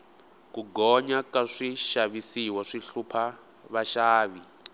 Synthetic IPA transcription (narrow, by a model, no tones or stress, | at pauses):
kuɡɔɲakaʂiʃaβisiwaʂiɬupʰa | βaʃaːβi